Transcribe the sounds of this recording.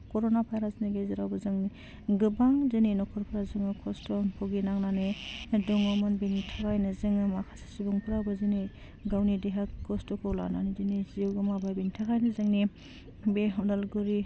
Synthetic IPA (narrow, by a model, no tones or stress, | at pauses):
kɔɾonabʰʱajɾasniɡezeɾawbazɯŋni | ɡɯbaŋzenenɔkʰɔɾpʰɯɾazɯŋɯkʰɔstɔpʰɔɡinaŋnanedɔŋɔmɔnbenitʰakajnɯzɯŋɯmakʰasi̥sibɔŋpʰɯɾawbazine | ɡawnideɦakkʰːɔstɔkʰɔwla̰na̰nizineziwɡɯmabajbenitʰakajnɯzɯŋni | beɦɔndalɡuɾi